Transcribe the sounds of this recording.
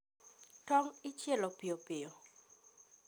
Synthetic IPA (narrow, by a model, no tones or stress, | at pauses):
tɔŋɪt͡ʃjɛlopɪopɪo